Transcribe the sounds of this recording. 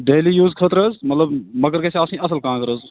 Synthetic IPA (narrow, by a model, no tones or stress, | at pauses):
ɖeːlijuːzkʰət̪ɾəzmɐt̪ləbmɐkəɾkeːseaːsĩːɐsəlkãːkəɾəz